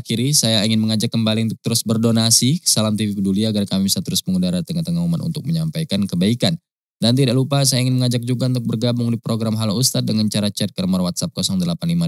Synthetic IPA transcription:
kiɾisajaiŋɪnməŋad͡ʒakːəmbaliunt̪ʊk̚t̪əɾʊsbərdonasikə̥salamt̪ivikəduliaːɡarkamibisat̪əɾʊsməŋudaɾat̪əŋat̪əŋaumanṵnt̪ʊk̚məɲampajkankəbaikan | dant̪idaʔlupas̬ajaiŋɪnməŋad͡ʒak̚d͡ʒuɡaunt̪ʊk̚bərɡabʊŋdipɾoɡɾamɦalaust̪at̪̚dəŋant͡ʃaɾat͡ʃɛt̪̚kərmarwat̪̚sap̚kɔsɔŋdəlapanlima

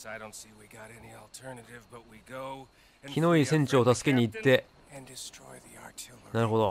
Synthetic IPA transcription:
aɪɾõʊ̃ntsiwiɡɑɾɛniɔlˠtʰɜ˞nɨɾɪvbʌt̚wiɡoʊ | kʲino̞isẽ̞ɲ̟t͡ɕiot̪asɨ̥ke̞ɲ̟iːt̪ːe̞ | ɨ̃ndɪstɹ̥ɔ̰ɪðiaɹtʰɪlˠnaɾɯ̟ɦo̞d̪o

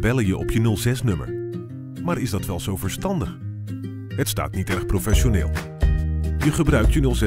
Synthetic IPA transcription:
bɛləjəʔɔ̰pjənɵlˠzɛsnɵmə̰ɹ | maːɹɪzdɑtʋɛlˠz̥owvəɹstɑndəχ | ɦətsta̰ːtnitɛɹχprowfɛʃonɪːlˠ | jəχəbrœɥk̚tjənɵlˠzɛ

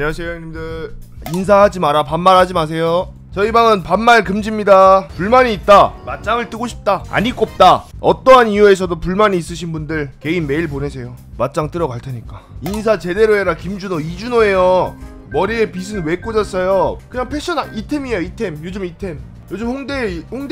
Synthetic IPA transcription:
ɲʌsʰejʌŋɲimdɯɭ | insʰahad͡ʑimaɾapanːaɾhad͡ʑimas̬ʰe̞jo | t͡ɕʌibaŋɯnpanːaɭkɯmd͡ʑimɲidapuɭmaɲiːt̚t͈amat̚t͡ɕ͈aŋɯɭt͈ɯɡoɕʰi̥p̚t͈aa̰ɲik͈op̚t͈aʌt͈ʌniue̞s̬ʰʌdopuɭmaɲiːs͈ɯɕʰinbundɯɭke̞inmːe̞iɭpone̞sʰe̞jo | mat̚t͡ɕ͈aŋt͈ɯɾʌɡaɭtʰeɲik͈ainsʰat͡ɕe̞de̞ɾoeɾakimd͡ʑunoid͡ʑunoe̞jo | mʌɾiepisʰɯnwe̞k͈od͡ʑas͈ʌjokɯɲaŋpʰeɕ͈ʰʌnaitʰemiejoitʰe̞mjod͡ʑɯmitʰe̞m | jod͡ʑɯmɸoŋdehoŋd

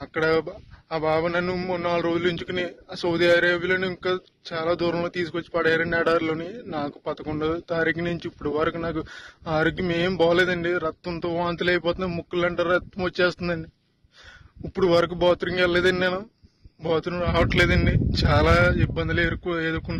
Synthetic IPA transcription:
ɐkːɐɽɐaːbʱaːʋɐnɐnːumnːaːlɐɾoːd͡ʒuliɲt͡ʃukunisowd̪ijaːɾaːbiloːniiŋkaː | t͡ʃaːlaːd̪uːɾɐmloːt̪iːs̬ukot͡ʃːi̥pɐɽɐjaːɾɐɳɖiɛːɽaːɾloːninaːku̥pɐt̪ɐkuɳɖɐt̪aːɾiːkinuɲt͡ʃiːpːuɽuʋɐɾɐkunaːkuaːɾoɡjimeːmbaːleːd̪ɐɳɖiɾɐt̪ːɐnt̪oːʋaːnt̪uleːjɐpɔːt̪unɐmukːulːɐɳʈaːɾɐɐt̪ːɐmʋɐt͡ʃːeːst̪und̪ɐɳɖi | pːuɽuʋɐɾɐk̬ubaːt̪ɾiŋkɛlɐleːd̪ɐɳɖimɐnɐ | baːt̪ɾuŋɾaːʋɐʈleːd̪ɐɳɖit͡ʃaːlaːibːɐnd̪ileːɾukːueːd̪uɾkːunː

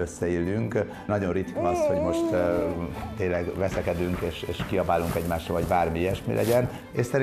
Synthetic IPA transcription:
øsːɛilːyŋk | nɒɟo̞nrit̪kɒɒsho̞ɟmo̞ʃt̪ | t̪ːeːnlɛɡʋɛsɛkɛd̪yŋkeːʃeːʃkiɒbaːlːuŋkɛɟmaːʃrɒ̰voɟbaːrmiɛʃmḭlʔɛ̰ɟɛn | eʃsɛɾi

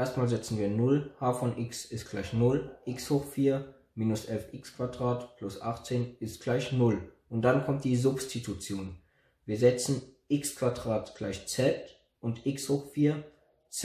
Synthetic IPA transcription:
ʔeːɐstmaːlzɛt͡sn̩viːɐnʊlhaːfɔnʔɪksɪst̚ɡ̥laɪçnʊlʔɪkshoːxfiːɐ | miːnʊsʔɛlfʔɪkskv̥adʁaːtpʰlʊsʔa̰χt͡seːnɪstɡ̥laɪçnʊlʔʊnt̚d̥ankʰɔmt̚d̥iːzʊpstʰitʰut͡sjoːn | viːɐzɛt͡sn̩ʔɪkskv̥adʁaːtɡ̥laɪçt͡sɛt | ʔʊntʔɪkshoːxfiːɐ | t͡s

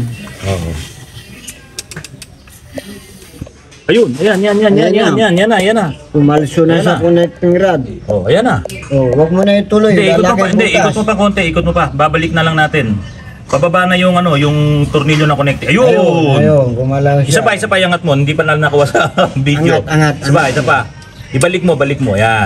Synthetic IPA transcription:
ʔoʔo | ʔɐjʊnɐjanjanjanjanjanjanjanɐjanasʊmalsonasakonɛk̚t̪ɪŋɾad̪̚ʔoʔɐjanɐowɐɡ̚monɐit̪ʊlonjd̪ɛʔiːkot̪ɐɪnd̪ɛʔiːkot̪mopɐko̞ːnt̪ɛʔiːkot̪mopɐbaːbɐlɪk̚nɐlɐŋnaːt̪ɪn | pɐbɐbaʔnɐjʊŋɐno̞jʊŋt̪ʊɾniːʎjonɐkonɛk̚t̪ɛʔɐjoojoɡʊmalaɪsapɐʔɪsapɐjɐŋɐt̪̚mo̞hɪnd̪ipɐnalnɐkuwasɐbid̪jodɐŋat̪̚ɪbaʔɪsapa | ʔɪbɐlɪk̚mo̞bɐlɪk̚mo̞ja

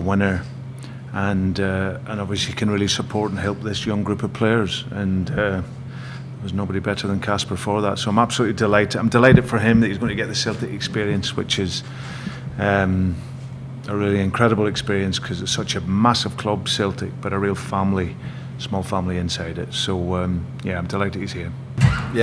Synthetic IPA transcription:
wɪ̃nə˞ | ə̃nʌʔə̃nɔbviəsikʰɨ̃nɹilˠisəpʰɔɹʔə̃n̩ɦɛlˠp̚ðɪsjʌ̃ŋɡɹʉpəv̥pʰl̥eə˞z̥ə̃nʌ | əwəznobəɾibɛʔə˞ðə̃nkʰaspə˞fɔ˞ðatsoaɪ̃mab̥səlˠʉʔlˠidɪlˠaɪtãɪ̃mdɪlˠaɪɾɨd̥fə˞ɪ̃mðəʔhizɡõɪ̃nʰəɨɡɛʔðəselˠtɪkɪkspiɹiə̃nswɪt͡ʃɪz̥ | ʌ̃m | əɹilˠiɪ̃nkʰɹ̥ɛɾəbl̩ˠɪkspiɹiə̃nskʰʌzɪtsʌt͡ʃəmasɪv̥kʰl̥ʌb̥sɛlˠtʰɪk̚b̥ʌɾəɹilˠfãmlˠi | smɔlˠfãmlˠiɪ̃nsaɪɾɪ̰tsoʌ̃m | jæãɪ̃mdɪlˠaɪʔɪtiz̥hiɹ | j

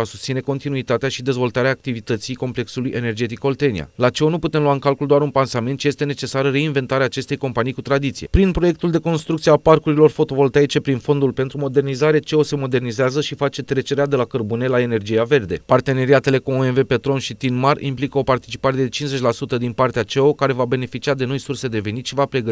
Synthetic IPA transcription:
asu̥st̪sine̞ko̞nt̪inuit̪at̪eaʃid̪e̞zvo̞lt̪aɾeaːk̚t̪ivit̪ət̪sijko̞mple̞ksulujʔe̞ne̞rd͡ʒe̞t̪iko̞lt̪e̞nḭa̰lat͡ʃe̞onuput̪emluwaɨŋkalkuld̪oaɾunpansament̪t͡ʃije̞st̪e̞ne̞t͡ʃe̞saɾəre̞inve̞nt̪aɾeaːt͡ʃe̞st̪e̞jko̞mpanijkut̪ɾad̪it̪sije̞̰pɾinpɾo̞je̞k̚t̪uld̪e̞ko̞nst̪ɾukt̪sieaparkuɾilo̞rfo̞t̪o̞vo̞lt̪ait͡ʃe̞pɾinfo̞nd̪ulpe̞nt̪ɾumo̞d̪e̞rnizaɾe̞t͡ʃe̞o̞se̞mo̞d̪e̞rnizeazəʃifat͡ʃe̞t̪ɾe̞t͡ʃe̞ɾead̪e̞lakərbune̞lae̞ne̞rd͡ʒijave̞rd̪e̞part̪e̞ne̞ɾiat̪e̞le̞kuoenve̞pe̞t̪ɾo̞nʃit̪inmarimplikəo̞part̪it͡ʃi̥paɾe̞d̪et͡ʃinze̞t͡ʃʲlasut̪əd̪inpart̪eat͡ʃe̞o̞kaɾe̞vabe̞ne̞fit͡ʃiad̪e̞no̞jsurse̞d̪e̞ve̞nit̪ʃivapɾe̞ɡə

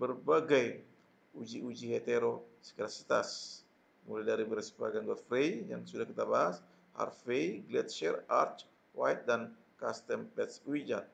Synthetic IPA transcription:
bəɾbəɡəj | ud͡ʒiʔud͡ʒihet̪eɾosə̥kəɾasi̥t̪as | muledaɾibəɾspaɡanɡəfɾejja̰ŋsudakɨt̪abahas | ha̰ɾfejɡlet̪ʃeɾa̰ɾt͡ʃ | wajt̪̚d̪an | kast̪əmbet̪swid͡ʒan

